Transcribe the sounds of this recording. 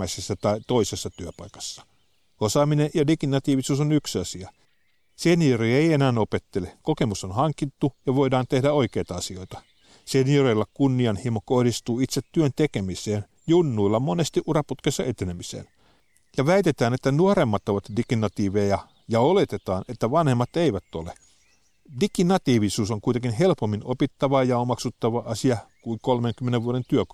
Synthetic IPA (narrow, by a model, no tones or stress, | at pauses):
æisesːæt̪ɑit̪o̞ise̞sːɑt̪yøpɑ̰jkɑ̥sːɑ̥ | o̞sɑːminejɑdikinːɑt̪iːʋisuːsonyksɑsiɑ | senioɾiːeijenæːno̞pe̞t̪ːe̞le̞ko̞ke̞musonhɑŋkːit̪ːujɑʋo̞jdɑːnt̪e̞hdæo̞jk̟e̞jt̪ɑɑsio̞jt̪ɑ | seniorejlːɑkunːiɑnhimoko̞hdist̪uːit̪set̪ːyønt̪e̞ke̞mise̞ːn | junːuilːɑmo̞nest̪iʔuɾɑput̪kesːɑʔet̪enemisḛːn | jɑʋæit̪et̪æːnet̪ːænuoɾemːɑt̪o̞ʋɑt̪dikinɑt̪iːʋejɑ | jɑo̞le̞t̪e̞t̪ɑːne̞t̪ːæʋɑnhe̞mːɑt̪eiʋæt̪ːo̞̰le | dikinɑt̪iːʋisuːsoŋkuit̪eŋkinɦe̞lpomːinopit̪ːɑʋɑjɑomɑksut̪ːɑʋɑʔɑsiɑkuiŋkolmeŋkymːeneʋuoɾent̪yø